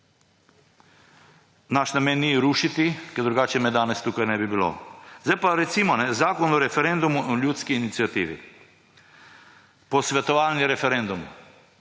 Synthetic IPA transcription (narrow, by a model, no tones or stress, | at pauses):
naʃnamɛnːiɾuːʃit̪ikɛɾd̪ɾuɡaːt͡ʃɛmɛd̪aːnɛst̪uːkajnɛbibilo̰zajpaɾɛt̪simɔnɛzaːkɔnɔɾɛfɛɾend̪umuʔlʲjuːt̪skiːnit̪sijat̪ḭːʋḭ | pɔsʋɛt̪ɔʋaːlniɾɛfɛɾɛnd̪um